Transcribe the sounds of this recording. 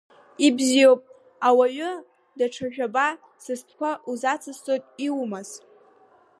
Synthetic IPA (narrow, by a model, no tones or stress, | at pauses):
ibzijowpʼ | awaɥʊ | daʈ͡ʂʰaʒᶣaba | sɨstʰkʷaʔuzat͡sʰɨst͡sʼojtʼiwmaz